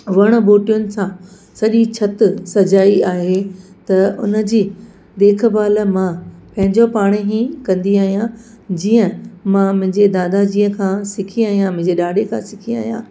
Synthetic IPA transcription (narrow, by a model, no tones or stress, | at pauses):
ʋɐɽ̃ʊ̆boːʈijʊnɪ̆sãː | sɐʄit͡ɕʰɐt̪sɐd͡ʑaːiaːɦet̪ɐʊ̰nə̆d͡ʑiː | d̪eːkʰbaːlmãpɐ̃ɦɪ̃ɲd͡ʑopaːɽ̃eɦĩkɐ̃nd̪iaːɦijã | d͡ʑiːə̃mãmʊ̃ɦɪ̃ɲd͡ʑed̪aːd̪ad͡ʑiːə̃kʰãsɪkʰiaːɦijãmʊ̃ɦɪ̃ɲd͡ʑeɗaːɖʱekʰãsɪkʰia̰ːɦijã̰ː